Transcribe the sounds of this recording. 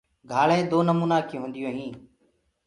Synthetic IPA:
ɡʱaːɭẽːd̪oːnəmuːnaːkiɦõːnd̪ɪjõːɦĩː

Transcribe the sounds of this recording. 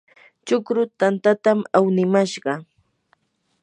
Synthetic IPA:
t͡ʃʊkɾʊt̪ant̪at̪amawnɪmaʃɢɑ

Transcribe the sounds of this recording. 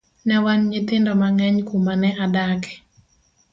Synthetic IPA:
nɛwanɲɪt̪ɪndɔmaŋɛɲkumanɛʔadakɛ̥

